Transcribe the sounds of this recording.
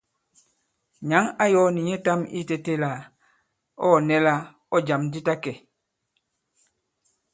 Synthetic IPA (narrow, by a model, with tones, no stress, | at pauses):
ɲa˨˦ŋa˦jɔ˦ni˨ɲɛ˦ta˦mi˦te˨te˦la˨ | ɔ˦˨nɛ˦la˦ | ɔ˦d͡ʒa˨mdi˦ta˦kɛ˨